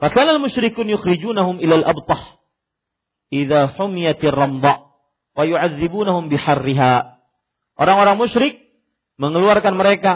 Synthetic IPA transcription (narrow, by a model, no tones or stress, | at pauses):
fakaːnalmʊʃɾɪkuːnjʊxɾɪd͡ʒuːnaɦʊmʔilalʔabt̪ˤɑħ | ʔiðaħʊmɪjat̪ɪrˤːɑmd̪ˤɑ | wajuʕaðːɪbuːnahʊmbɪħarːɪɦaː | ʔoɾaŋoɾaŋmʊʃɾɪk̚ | məŋəluarkanməɾeka